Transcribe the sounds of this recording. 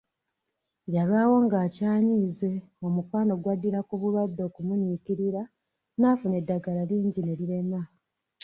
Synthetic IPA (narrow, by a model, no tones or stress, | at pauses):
jaβawo̞ŋɡaːcaːɲize̞ | o̞mukwaːno̞ɡwadiɾakuβuβwadːo̞ːkumuɲikiɾiɾa | naːfune̞dːaɡalaliːɲɟine̞liɾe̞ma